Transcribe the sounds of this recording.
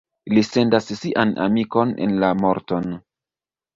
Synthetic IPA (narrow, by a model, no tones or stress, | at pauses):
lise̞ndasːiʔana̰miko̞nḛnlamo̞ɾto̞n